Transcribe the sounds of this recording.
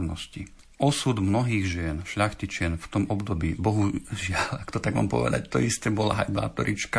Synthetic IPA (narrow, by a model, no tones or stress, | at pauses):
nɔsci | ʔɔsud̪mnɔɦiːɣʒɪɛnʃʎaxt̪it͡ʃɪɛnft̪ɔmɔbd̪ɔbiːbɔɦuʒɪalakt̪ɔt̪aɡma̰ːmpɔ̰ʋɛ̰d̪a̰ct̪ɔ̰ist̪ɛbɔlaɦajba̰ːt̪ɔɾit͡ʃka